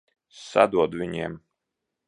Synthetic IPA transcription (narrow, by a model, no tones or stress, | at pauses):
sa̰d̪uɔd̪vʲiɲiɛm